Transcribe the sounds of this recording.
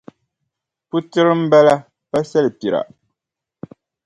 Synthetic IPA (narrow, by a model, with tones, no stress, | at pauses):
pu˦tɨ˦ɾɨ˦m̩˦bɛ˦la˦ | pa˦sɛ˦lɨ˨pi˨ɾa̰˨